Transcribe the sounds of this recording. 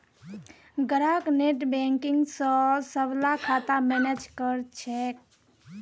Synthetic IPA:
ɡəɾakneʈbeŋkiŋɡsə̃səblakʰat̪amened͡ʒkəɾt͡ʃʰɛk̚

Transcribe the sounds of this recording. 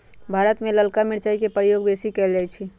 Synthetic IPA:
bʱaːɾət̪mẽləlkamɪɾt͡ʃaːikepɾəjoːɡbeːsikɛld͡ʒaːit͡ʃʰi

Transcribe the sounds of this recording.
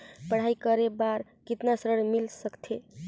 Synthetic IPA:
pəɽ̤aikəɾebaɾ | kit̪nasəɾəɽmilsəkt̪ʰe

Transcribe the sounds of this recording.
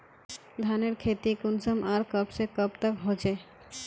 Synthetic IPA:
d̪ʱaneɾkʰet̪ikunsɔmaɾkʌbsekʌbt̪akɦot͡ʃʰe

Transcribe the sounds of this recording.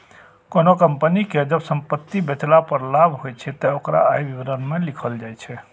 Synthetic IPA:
konokəmpəniked͡ʒəbsəmpət̪ːibet͡ʃlapəɾlabʱɦojt͡ʃʰɛt̪ɔokɾa̰ːjbibɾənmelikʰəld͡ʒajt͡ʃʰɛ

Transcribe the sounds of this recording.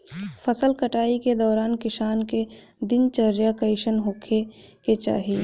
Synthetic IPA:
fʰəsəlkəʈaːiked̪ɔːɾaːnkɪʃaːnke | d̪ɪnt͡ʃəɾjakəɪʃənɦoːkʰe | ket͡ʃa̰ːɦi

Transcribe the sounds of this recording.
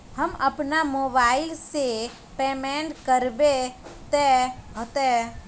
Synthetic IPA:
həməpnamobaɪlse | pemɛɳʈkəɾbet̪ɛɦot̪ɛ

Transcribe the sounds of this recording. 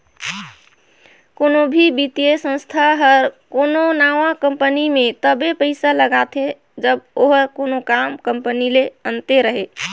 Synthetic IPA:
konobʱibit̪ijesə̃st̪ʰaɦəɾkononaʋakəmpənimẽt̪əbepəɪsaləɡat̪ʰe | d͡ʒəboɦəɾkonokamkəmpənileənt̪eɾəɦe

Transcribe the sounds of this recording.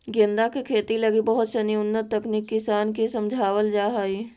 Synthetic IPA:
ɡɪ̃nd̪akekʰeːt̪ilɐɡibɐɦʊt̪sɐniʊnːət̪ːɐknikːɪsaːnkesɐ̃md͡ʒʱaːwəld͡ʒaːɦaːiː

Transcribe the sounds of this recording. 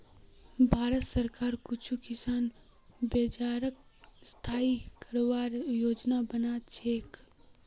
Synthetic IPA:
bʱaːɾət̪səɾkaːɾkʊt͡ʃʰukɪsaːn | beːt͡ʃaːɾək̚st̪ʰaːikəɾwaːɾjoːd͡ʒnabənaːt͡ʃʰeːk

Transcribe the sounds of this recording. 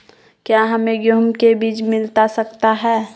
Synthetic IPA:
kjaːɦɐmẽɡjoːmkebiːt͡ʃmɪlt̪asɐkt̪aɦɛː

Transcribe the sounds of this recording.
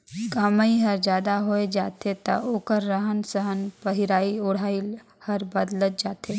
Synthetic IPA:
kəmaiɦɐɾd͡ʒjaːd̪aɦoːed͡ʒaːt̪et̪ɐ̰ʔoːkəɾːəɦənsəɦənpəɦiɾaːiʊɽ̤aːi | hɐɾbɐd̪lət̪̚d͡ʒaːt̪eː

